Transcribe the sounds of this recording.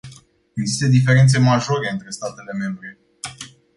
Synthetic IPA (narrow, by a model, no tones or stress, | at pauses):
eɡzi̥st̪əd̪if̬e̞ɾe̞nt̪s̬emaʒo̞ɾe̞ɨnt̪ɾe̞st̪at̪e̞le̞me̞mbɾe̞